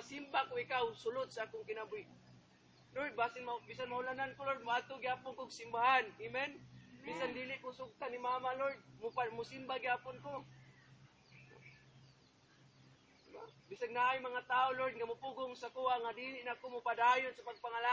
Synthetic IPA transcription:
asimbakʊikawsʊlʊd̪̚saakʊŋkɪnabʊi | loɹd̪̚basɪnmabis̬anmaʊlanankʊlod̪̚mʊat̪ʊɡɪhaːpʊnkʊɡsimbaɦanimɛnbisandilɪʔkʊsʊɡ̚t̪animamaloɹd̪̚mʊpamʊsimbaɡɪhaːpʊnkʊ | abisannaajmaŋat̪aʊloɹd̪̚ŋamʊpʊɡʊŋsakuaʔŋadilɪʔnakʊmʊpadajʊnsapaɡ̚paŋala

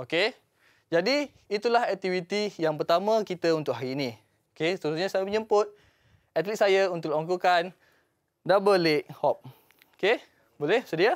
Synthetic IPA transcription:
oke | d͡ʒadiː | t̪ulahɛk̚t̪ivit̪ijaŋpərt̪amãkit̪əunt̪ʊkʔɦaɾiːnĩ | okest̪əɾusɲasajaməɲəmpʊt̪̚ | ɛt̪lit̪̚sajaunt̪ʊʔlɔŋkukan | dabəleʔhɔp̚ | oke | bolɛhsədia

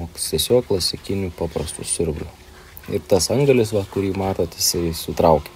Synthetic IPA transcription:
oːkst̪ʲiɛsʲoːk̚plˠɐsʲɪkʲɪnʲuːpɑːpɾɐst̪ʊsʲʊɾʲblʲʊ | ɪ̰rt̪ɐsɐŋɡɐlʲɪsʋɐkʊɾʲiːmɑːt̪oːt̪jɪsɐɪsʊt̪ɾɐʊkʲɛ

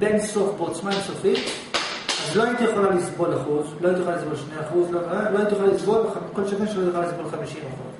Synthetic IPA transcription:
benso̞fbeot͡smaemsofim | azloajit̪ijeχo̞lalisbo̞laχuzloajit̪̬ijolalisbo̞lʃnejaχuzloaloajit̪ijuxlalisbo̞lamkolʃakenʃelotjeolalisbo̞lχamiʃimaχuz

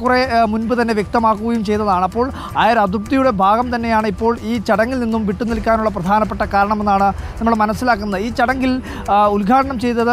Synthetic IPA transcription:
kːuremunbɨt̪ɐnːe̞ʋjek̚t̪ɐmaːkːuɣɐjumt͡ɕe̞jt̪ːɐðaːɳɐpːo̞ːɭ | aːjɐɾɐd̪up̚t̪ijuɽe̞bʱaːɡɐmt̪ɐnːe̞jaːɳipːo̞ːɭiːt͡ɕɐɽɐŋːilninːumʋiʈːunilkʲːaːnuɭːɐp̬rɐd̪ʱaːnɐpːe̞ʈːɐkaːɾɐɳɐme̞nːaːɳɨnɐmːuɽemɐnɐsːilaːkːunːɐðɨiːt͡ɕːɐɽɐŋɡil | ulɡʱaːʈɐɳɐmt͡ɕe̞jt̪ːɐðɨ

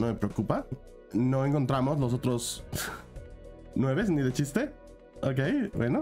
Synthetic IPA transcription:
nome̞pɾeokupa | no̞e̞ŋko̞nt̪ɾamo̞zlo̞s̬ot̪ɾo̞s | nwe̞βe̞sniðe̞t͡ʃist̪e̞ | ok̬ejbweno̞

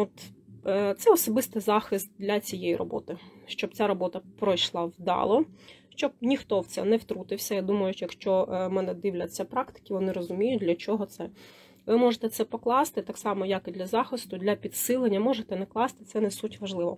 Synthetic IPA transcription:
ɔt̪ | t̪sɛɔsɔbɪst̪ɪzɑxɪst̪̚d̪lʲɐt͡sʲijejirɔ̰bɔ̰t̪ɪʃt͡ʃɔb̚t͡sʲaɾɔbɔt̪ɐpɾɔjʃlˠɑwd̪ɑ̰lˠɔʃt͡ʃɔb̚nʲixt̪ɔwt̪sɛ̰nɛwt̪ɾut̪ɪwsʲɐjad̪umɐjʊʃjɐkʃt͡ʃɔmɛnɛd̪ɪwlʲɐt͡sʲːɐpɾɑkt̪ɪ̥kʲɪʋɔnɪɾɔzʊmʲijʊt̚ʲd̪ʲlʲɐt͡ʃɔɦɔt̪sɛ | ʋɪmɔʒet̪ɛt̪sɛpɔklˠɑst̪ɪt̪ɑksɑmɔjɐkɪd̪lʲɐzɑxɪst̪ʊd̪lʲɐpʲid̪sɪlˠenʲːɐmɔʒet̪ɛnɛklˠɑst̪ɪ̥t̪sɛnɛsutʲʋɐʒlˠɪʋɔ̰

